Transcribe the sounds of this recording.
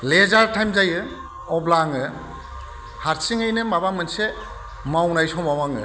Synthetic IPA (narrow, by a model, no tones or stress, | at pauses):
lezaɾtʰajmzajɯ | ɔblaŋɯ | haɾsiŋɯjnɯmabamɯnse | mawnajsɔmawaŋɯ